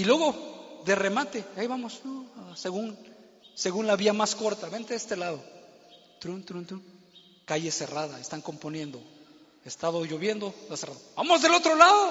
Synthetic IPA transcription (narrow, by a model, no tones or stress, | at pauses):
ilwe̞ɣo̞ðere̞mat̪e̞aiβamo̞snoaseɣun | se̞ɣunlaβiamasko̞ɾt̪aβe̞nt̪eest̪elaðo̞ | t̪ɾunt̪ɾunt̪ɾun | kaʝe̞se̞raðaest̪aŋko̞mpo̞nje̞nd̪o̞ | est̪aðoʝo̞βje̞nd̪o̞t̪aseraðobamo̞zðe̞lo̞t̪ɾo̞laðo